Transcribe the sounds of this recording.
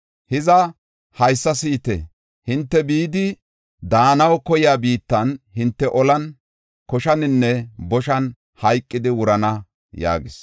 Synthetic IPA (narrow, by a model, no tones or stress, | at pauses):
hɪzɐ | hɐjsːɐsiːt̪ɛ̰ | hɪnt̪ːɛbiːd̪ɪ | d̪aːnɐwkɔjɪjaːbiːt̪ːɐnhɪnt̪ːɛʔɔlɐn | kɔʃɐnɪnːɛbɔʃɐn | hɐjkʼːɪd̪ɪwʊɾɐnɐ | ja̰ːɡɪs